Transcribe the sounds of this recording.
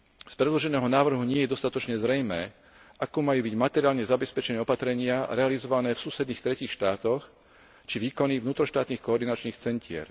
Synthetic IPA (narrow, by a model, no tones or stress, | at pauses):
spɾɛd̪lɔʒɛnɛːɦɔnaːʋr̩ɦuɲɪɛjɛd̪ɔst̪at̪ɔt͡ʃɲɛzɾɛjmɛː | ʔakuːmajuːbiɟmat̪ɛɾiaːlɲɛzabɛspɛt͡ʃɛnɛɔpat̪ɾɛɲɪaɾɛalizɔʋanɛːfsuːsɛd̪niːxt̪ɾɛciːxʃt̪aːt̪ɔx | t͡ʃiʋiːkɔnivnuːt̪ɾɔʃt̪aːt̪niːxkɔːɾd̪inat͡ʃniːxt͡sɛncʰɪɛ̰ɾ